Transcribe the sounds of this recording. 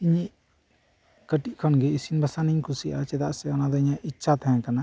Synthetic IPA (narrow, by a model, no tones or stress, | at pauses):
iɲiʔ | kəʈiʔkʰɔnɡɛisinbasaniɲkʰusiʔat͡ʃɛd̪aʔsɛɔnad̪ɔiɲãʔitːʃʰat̪ʰaɛ̃kana